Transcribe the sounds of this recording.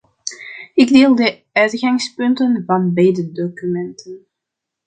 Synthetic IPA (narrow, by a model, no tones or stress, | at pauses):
ɪɡdeːlˠdə | œɥtɣɑŋspɵntənvɑnbɛjdədokymɛntʰən